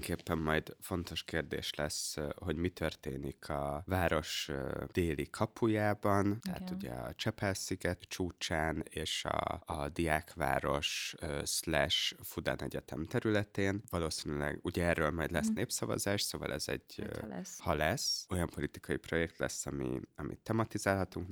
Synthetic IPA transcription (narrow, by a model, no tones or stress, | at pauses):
ŋkeːpːɛmːɒjd̪fo̞nt̪o̞ʃkeːrd̪ḛːʃlɛsho̞ɟmit̪ʰø̞rt̪eːnikʰɒvaːɾo̞ʃd̪̥eːlikʰɒpʰujaːbɒnt̪ɛɦa̰t̪uɟɛ̰ɒt͡ʃɛpɛlsiɡɛt̪t͡ʃuːt͡ʃaːneːʃɒ̰ːd̪iaːkʋa̰ːɾo̞ʃøslɛʃfud̪a̰ːnɛɟɛt̪ɛmt̪ɛɾylɛt̪eːnvɒloːsinylɛ̰ɡuɟɛɛrːøːlmɒjd̪lɛsneːpsɒvɒ̰zaːʃsoːvɒ̰lʔɛzɛ̰ɟ | hɒlɛso̞jɒmpo̞lit̪i̥kʰɒjipro̞jɛk̚t̪lɛ̰sːɒmḭɒmʔḭt̪ːɛmɒt̪izaːlɦɒt̪uŋk